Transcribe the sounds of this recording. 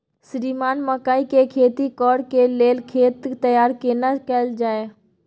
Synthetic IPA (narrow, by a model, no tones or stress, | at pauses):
sɾimaːnməkaːikekʰeːt̪ikɔːɽkeleːlkʰeːt̪ːəjaːɾkenakɛld͡ʒaːe